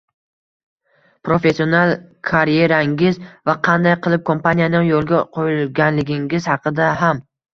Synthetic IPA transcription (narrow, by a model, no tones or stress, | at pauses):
pɾofe̞sːio̞nalˠkʰaɾje̞ɾaŋɪzvaqʰɑnd̪ajqʰɨlˠɪp̚kʰo̞mpanijanɪŋjolˠɡʲaqʰojlɡʲanlɪɡʲɪŋʲɪz̥hɑqɨd̪aɦam